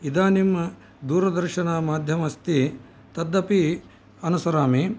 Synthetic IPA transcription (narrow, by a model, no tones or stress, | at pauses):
id̪aːnimɐ | d̪uːɾɐd̪ɐɾʃɐnaːmaːd̪ʱjɐmɐst̪i | t̪ɐd̪ːɐpi | ɐnusɐɾaːmi